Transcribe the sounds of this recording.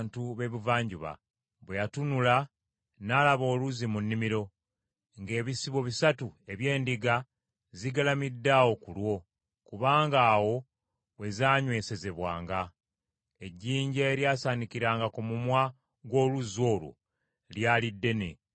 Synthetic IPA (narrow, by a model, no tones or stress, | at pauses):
ntuβe̞βuvaːɲɟuβa̰ | βwejatunula | naːlaβo̞ːluzimunːimiɾo̞ | ŋɡe̞ːβisiβo̞βisatue̞βje̞ːndiɡa | ziɡalamidːawo̞kulwo̞ | kuβaːŋɡaːwo̞ | we̞zaːɲwe̞ːse̞ze̞βwa̰ːŋɡa | eɟːiːɲɟeːɾjaːsanikiɾaːŋɡakumumwa | ɡwo̞ːluzo̞ːlwo̰ | ljaːlidːe̞nḛ